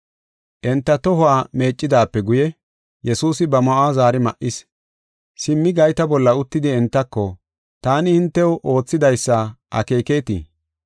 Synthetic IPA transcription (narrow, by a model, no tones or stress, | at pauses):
ʔɛnt̪ːɐt̪ɔhʊaːme̞ːt͡ʃʼːɪd̪aːpːɛɡʊjɛ | jɛsuːsɪbɐmɔʔaːzaːɾɪmɐʔɪs | sɪmːɪɡɐjt̪ɐbɔlːɐʊt̪ːɪd̪ɪɛnt̪ːɐkːɔ | t̪aːnɪhɪnt̪ːɛwʔo̞ːt͡sːɪd̪ɐjsːɐʔɐ̰ke̞ːke̞ːt̪ḭː